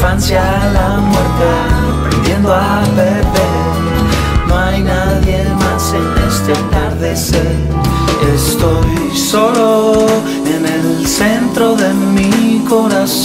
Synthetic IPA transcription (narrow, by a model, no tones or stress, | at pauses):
fansja | la | mweɾt̪e | pɾḛnd̪je̞nd̪oa | pepe | no̞ajnaðje̞masenest̪a | aɾðese | est̪o̞j | so̞lo | enel | se̞nt̪ɾoðe̞ | miko̞ɾas